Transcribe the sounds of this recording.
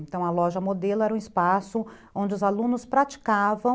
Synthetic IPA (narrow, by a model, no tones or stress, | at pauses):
nt̪ɐ̃w̃ɐlɔʒɐmod̪elʊɛɾɐũispasʊ | õnd͡ʒɪʊzalũnʊspɾat͡ʃi̥kavɐ̃